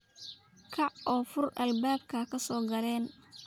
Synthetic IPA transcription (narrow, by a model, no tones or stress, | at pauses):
kʰɐʕʔɔːfʊrʔɐjbaːb̚kʰɐkʰɐsɔːɡɐlɛːn